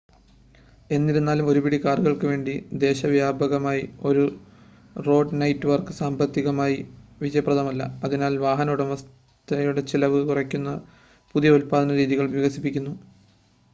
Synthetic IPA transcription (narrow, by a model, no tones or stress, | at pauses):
e̞nːiɾunːaːlumo̞ɾubiɽikaːrɨɣɐɭkɨʋe̞ːɳɖid̪e̞ːɕɐʋjaːbɐɣɐmaːjio̞ɾu | ro̞ːɖnɐjtːɨʋɐrkɨsaːmbɐt̪ːiɣɐmaːjiʋid͡ʑɐjɐprɐðɐmɐlːɐ̰ɐðinaːlʋaːɦɐnɐuɽeʋɐs | t̪ʰɐjuɽe̞t͡ɕilɐʋɨkurɐkʲːunːɐ | puðijɐulpaːðɐnɐɾiːðiɣɐɭʋjiɣɐsi̥pːikʲːunːu